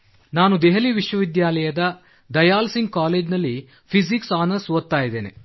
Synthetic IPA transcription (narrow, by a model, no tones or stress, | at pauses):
naːnud̪ɛɦɐliʋiʃʋɐʋid̪jaːlɐjɐd̪ɐ | d̪ɐjaːlsiŋɡ̚kaːleːd͡ʒnɐlːi | pʰiziksaːnɐɾsʋɐt̪ːaːjid̪eːnḛ